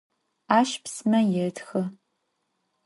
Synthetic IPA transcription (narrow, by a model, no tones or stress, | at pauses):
aːʃpsmɐjɛtʰxɨ